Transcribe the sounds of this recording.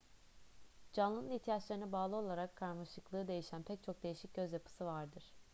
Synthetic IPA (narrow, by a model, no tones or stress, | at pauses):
d͡ʒanlˠɯnɯnit̪ʰijat͡ʃlˠaɾɯnabaːlˠɯo̞lˠaɾakʰːaɾmaʃɯklˠɯːd̪e̞jiʃænpʰɛc̚t͡ʃʰo̞k̚d̪e̞jiʃic̚ɟ̥ʲø̞zjapʰɯ̥sɯvaɾd̪ɯɾ̥